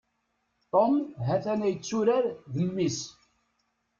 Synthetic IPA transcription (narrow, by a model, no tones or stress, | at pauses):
t̪ˤomɦæθænæjət͡sːuɾaɾðəmːis